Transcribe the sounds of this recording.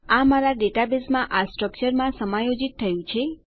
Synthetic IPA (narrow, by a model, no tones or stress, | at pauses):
amaɾaɖeʈabesmãʔasʈɾək̚t͡ʃəɾmãsəmajod͡ʒit̪ʰːəjũt͡ʃʰe